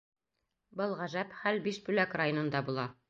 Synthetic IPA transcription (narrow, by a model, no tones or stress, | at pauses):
bɤlˠʁæʒæpχælbiʃbʉlækrajonɤ̆nd̪ɑbulˠɑ